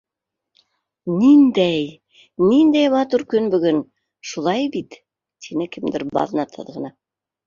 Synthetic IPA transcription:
nind̪æj | nind̪æjmɑt̪uɾkɵnbɵ̆ɡɵn | ʃulˠɑjbit̪ːʰ | inɘkɘ̆md̪ɘɾbɑ̰ðnɑt̪ʰɤ̰ðʁɤ̆nɑ

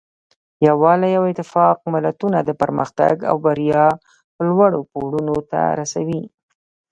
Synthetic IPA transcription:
jawɑlajawɪt̪ɪfɑq̚mɪlat̪unad̪əpəɾməxt̪a̰ɡa̰wbaɾijɑ | əlwaɽopoɽunot̪a̰ɾasawi

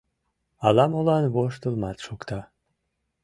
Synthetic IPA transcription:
ɑlɑmolɑnβoʃt̪əlmɑt̪ʃokt̪ɑ

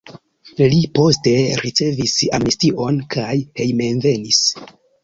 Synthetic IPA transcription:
lipo̞ste̞ɾit͡se̞visa̰mnistiʔo̞nkʰajhe̞jme̞nve̞nis

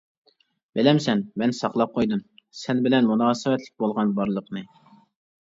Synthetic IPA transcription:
b̥ɪlɛmsɛnmɛnsɑqlˠɑp̚qʰojd̪umsɛnbɪlɛnmunɑːsɨwɛt̪lɪk̚ʲbolˠʁɑnbɑɾlˠəqnɨ

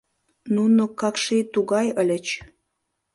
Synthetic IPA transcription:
nunokɑkʃit̪uɣɑjəlʲə̆t͡ɕ

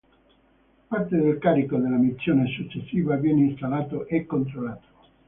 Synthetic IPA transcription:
part̪ed̪elkaːɾikod̪elːamit̪sːjoːnesut͡ʃːesːiːvavjɛːneinst̪alːaːt̪oʔekːont̪̬ɾolaːt̪o̥

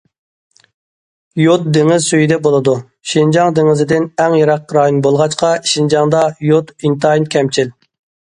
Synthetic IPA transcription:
jot̪̚d̪eŋɪzsyjid̪ɛbolˠɨd̪u | ʃind͡ʒɑŋd̪eŋɪzɪd̪ɪnɛŋjɑɾɑq̚ːɾɑːjonbolˠʁɑt͡ʃqɑʃind͡ʒɑŋd̪ɑjot̪int̪ɑjinkʲʰɛmt͡ʃʰil

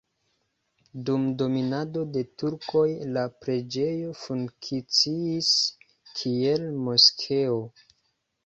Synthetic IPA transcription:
dumdo̞minado̞de̞tuɾko̞jlapɾe̞d͡ʒe̞jofuŋkʰit͡siis | kʰie̞lmo̞skʰeo

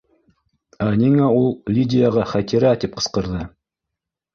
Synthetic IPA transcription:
anʲiŋaulˠlʲidʲɪjaʁɑχæt̪ʲiɾæt̪ip̚qɤ̥̆sqɤ̆ɾðɤ

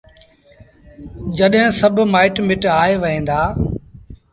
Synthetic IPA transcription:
d͡ʑɐɗɦɪ̃sɐbʱmaːɪʈmɪʈaːeʋɐɦẽːnd̪aː

